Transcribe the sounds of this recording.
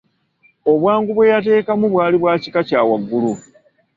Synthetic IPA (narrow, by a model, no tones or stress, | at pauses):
o̞βwaːŋɡuβwe̞jate̞ːkamuβwaːliβwaːci̥kacaːwaɡːulu